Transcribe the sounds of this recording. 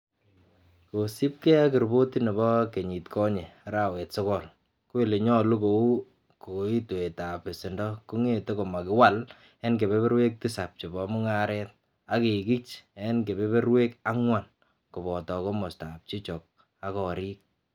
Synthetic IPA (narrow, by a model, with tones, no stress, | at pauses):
ko˨si˦p̚kɛ˦a˦kɪ˨ɾbo˦ti˦ne˨bɔ˦ke˨ɲi˨tkʰɔ˦ɲe˨ɾa˦wɛ˨tsɔ˦kɔ˨l | ko˦ɪ˦˨le˨ɲɔ˦lu˦ko˨u˦ | ko˨˦i˦to˨e˨ta˨pe˨sɪ˨ndɔ˦ko˦ŋe˦˨te˦ko˨ma˨kɪ˨wa˦l | e˦nke˨be˦be˦ɾwe˦k̚ti˦sa˨p̚t͡ʃɔ˨bɔ˨mʊ˦ŋa˦ɾɛ˦t̚ | a˦ke˨ki˦t͡ʃe˦nke˨be˦be˦ɾwe˦ka˦ŋwa˨n | ko˨bɔ˨tɔ˨ko˦mɔ˨stap̚t͡ʃi˦t͡ʃɔ˨k̚ | a˦kɔ˨ɾi˦k̚